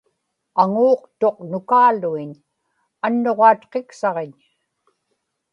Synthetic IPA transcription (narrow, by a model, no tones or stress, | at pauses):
aŋuːqt̪o̞q̚nʊkaːluiɲ | anːo̞ʁɑːt̪qeksɑʁeɲ